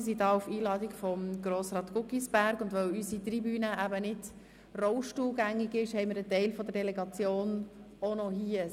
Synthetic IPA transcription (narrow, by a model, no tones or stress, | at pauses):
s̬idɑːufiːlɑːd̪ikfɔmɡɾoːsɾɑːt̪ɡ̥ʊkisb̥æɾɡʊnd̪ʋœwysit̪ɾibyːnəæbənɪd | rɔʊʃtuːlɡæŋːɪɡɪʃhɛɪmɪɾətɛɪlfɔd̪əɾdɛlɛɡɑt͡sjoːn | onɔhiə